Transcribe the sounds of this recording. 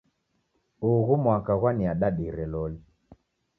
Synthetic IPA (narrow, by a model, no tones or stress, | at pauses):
uɣumwakaɣwaniaɗaɗiɾɛlɔli